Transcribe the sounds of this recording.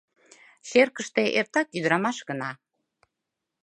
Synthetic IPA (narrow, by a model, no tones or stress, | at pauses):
ʃerkəʃt̪eʔert̪ɑkyd̪ɾɑmɑʃɣənɑ